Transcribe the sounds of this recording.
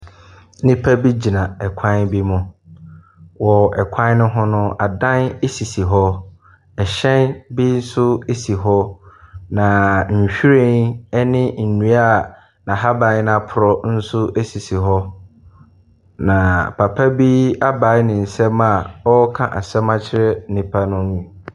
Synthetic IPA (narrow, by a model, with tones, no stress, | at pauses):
nɪ̃˦pʰa˦bi˦d͡ʑi˨nã˨ɛ˨kʷʰã˦nbi˦mʊ̃˦ | wɔ˨ɛ˨kʷʰã˦n˦nʊ̃˦ɦɔ̃˦nʊ̃˦a˨dã˦ne˦si˨si˨ɦɔ˦ | ɛ˨ɕɛ̃˦nbi˦n̩˦sʊ˦e˦si˨ɦɔ˦nã˨m̩˨ɕᶣi˦ɾe˦nɛ˦nɪ̃˦n̩˨nũ˨˦a˦˨ | nã˨ɦa˦bã˨˦n˦na˨pʰʊ˨ɾɔ˦n̩˦sʊ˦ʔe˦si˨si˨ɦɔ˦ | nã˨pʰa˨pʰa˦bi˦a˦ba˨˦nɪ̃˨n̩˨sɛ˦ma˨ɔ˦kʰã̰˨ʔa̰˨sɛ˦mã˦t͡ɕʰɪ˦ɾɛ˦nĩ˨pʰa˦nʊ̃˦nĩ˨